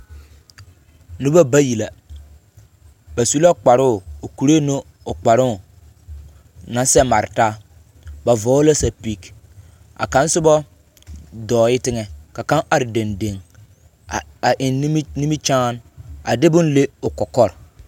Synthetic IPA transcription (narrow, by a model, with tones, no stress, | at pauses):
nʊ˦ba˦ba˦ji˨la˨ | ba˨su˦la˦k͡pa˨ɾʊ˦˨o˨ku˨ɾe˦no˦ | ʊ˨k͡pa˨ɾʊ˦˨ | na˨sɛ˦ma˨ɾɪ˨taː˦ | ba˨vɔː˨˦la˦sa˨pi˦k | ʔa̰˨ka˨˦n˦sʊ˦bɔ˦ | dɔː˨ɪ˦tɪ˦ŋɛ˨ka˨ka˦ŋʔa˨ɾɪ˨de˨nde˨ŋ˨ | a˨ʔɪ˨n˦ni˦mi˦t͡ʃaː˦na˨dɪ˦bʊ˦nle˦ʊ˨kɔ˨kɔ˦ɾ